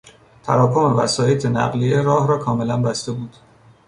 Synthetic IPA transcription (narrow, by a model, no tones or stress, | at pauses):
t̪ʰæ̰ɾɒːkʰo̞me̞væ̰sɒːjet̪ʰenæ̰ɣlijeɾɒːhɾɒːkʰɒːme̞lænbæst̪e̞buːd̪̥